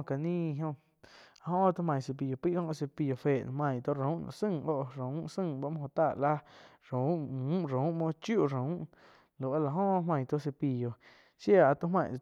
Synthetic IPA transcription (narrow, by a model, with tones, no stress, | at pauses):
ka˨nĩ˦˧ɦõ˧ | a˨hõ˦ʔt̪u˦mã˧˨j̃se˧p̬i˨jo˨pi˦ʔkõ˦ʔo˧se˧pi˧jo˨fe˨ñ˧˨mã˧˨j̃t̪o˦ɾũ˨˦ʔnã̰˧˨sɨ̃˦˧˨ŋʔo˦ʔɾũ˨˦sɨ̃˦˧˨ba˧˦ʔmõ˦˧õ˧˨t̪a˦˧˨la˦ | ɾũ˨˦ũ˨˦ɾũ˨˦mõ˧t͡ʃju˦˨ɾũ˨˦ʔ | lo˨wa˧la˨ɦõ˦ʔɦmã˧j̃t̪o˦ʔs̬e˧pi˨jo˨ | ʃja˦˧˨a˧˨t̪o˧˦ɦmã̰˧˨˧